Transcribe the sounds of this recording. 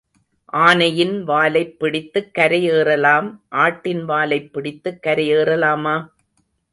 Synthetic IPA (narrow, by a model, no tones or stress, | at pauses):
ʔaːnɐjɪnʋaːlɐɪpːɪɽɪt̪ːɯkːɐɾɐjeːrɐlaːmʔaːʈːɪnʋaːlɐɪpːɪɽɪt̪ːɯkːɐɾɐjeːrɐlaːmaː